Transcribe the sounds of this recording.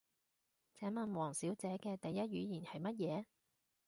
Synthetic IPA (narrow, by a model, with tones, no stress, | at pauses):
t͡sɛː˨˥mɐ˨nwɔː˨˩ŋsiː˨˥wt͡sɛː˨˥kɛː˧t̪ɐ˨jːɐ˥t̚ɥyː˨˧jiː˨˩nhɐ˨jmɐ˥t̚jɛː˨˧